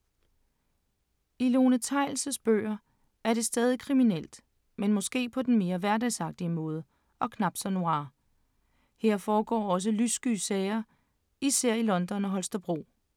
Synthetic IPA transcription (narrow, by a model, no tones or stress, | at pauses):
ilo̝ːnət͡sʰɑ̈ɪl̩səsb̥ø̰ːɐ | æɐɾe̝sd̥ɛːð̞ˠikʰʁiminel̰d̥ | menmɒ̽sɡ̥e̝̰ːpʰɒ̽d̥enme̝ːɐʋæɐdɛsɑ̈ɡ̥̚d̥iəmɔ̽ːð̞ˠə | ɒ̽kʰnɑ̈b̥d̥sɒno̝ɑ̈ː | he̝ɐ̰fɒːɡ̥ɒ̰ːɒ̽s̬əlysɡ̥yːsɛːɪɐ | isæɐ̰ilɒ̽nd̥ɒ̽nɒɦɒ̽lsd̥ɐb̥ʁo̝̰ː